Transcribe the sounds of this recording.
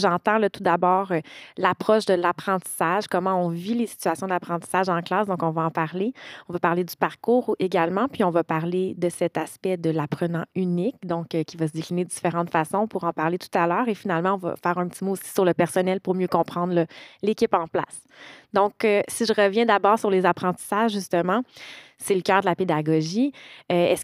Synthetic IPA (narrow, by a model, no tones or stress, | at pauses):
ʒɑ̃t̪ɑ̃lʌt̪ud̪abɑːʁlapχɔʃd̪əlapχɑ̃t̪i̥saʒkɔmɑ̃ɔ̃vilesi̥t̪ɥasjɔ̃d̪apχɑ̃t̪i̥saʒɑ̃klaːsd̪ɔ̃kɔ̃vaɑ̃paʁleɔ̃vapaʁled̪ypaʁkuːʁeɡalmɑ̃pɥiɔ̃vapaʁled̪əsɛt̪aspɛd̪əlapχənɑ̃ynɪk̚d̪ɔ̃kkʲivasəd̪eklined̪əd̪i̥feʁɑ̃t̪fasɔ̃puʁɑ̃paʁlet̪u̥t̪alœːʁefinalmɑ̃ɔ̃va̰fɛːʁɛ̃pət̪imoːsi̥syʁləpɛʁsɔnɛlpʊʁmjøkɔ̃pχɑ̃d̪ʁəlekʲɪpɑ̃pla̰s | d̪ɔ̃køsiʒəʁəvjɛ̃d̪abɑːʁsyʁlezapχɑ̃t̪i̥saʒʒyst̪əmɑ̃ | sɛləkʲœːʁd̪əlaped̪aɡɔʒiøɛs